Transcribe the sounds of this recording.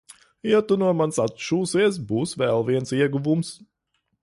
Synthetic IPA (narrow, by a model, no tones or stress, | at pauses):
jat̪unuɔmansat̪ʃuːsiɛsbuːsvɛːlˠviɛnsiɛɡuvums